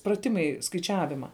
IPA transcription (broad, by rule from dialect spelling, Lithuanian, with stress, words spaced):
prɐˈtʲɪmɐɪ skɐɪˈt͡ʃʲæːʋʲɪmɐ